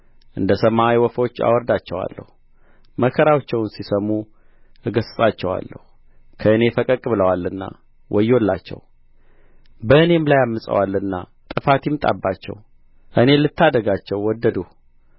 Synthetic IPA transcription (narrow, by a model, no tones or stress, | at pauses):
ʔɨnd̪əsəmajwɔfo̞t͡ʃːa̰wɔɾd̪at͡ʃːɛwa̰lːə̰hu | məkʰəɾawt͡ʃːɛwnsisəmu | ʔɨɡəsɨsʼat͡ʃːɛwa̰lːə̰hu | kʰəɨne̞fəkʼəkʼβɨləwalɨnːa̰ | wʔɔjolːa̰t͡ʃːɛ̰w | bəɨne̞mlajamːɨsʼə̰walːɨnːa | t̪ʼɨfat̪imt̪ʼa̰bːat͡ʃːɛ̰w | ʔɨne̞lɨt̪ʰːad̪əɡat͡ʃːɛwːɔd̪ːəd̪u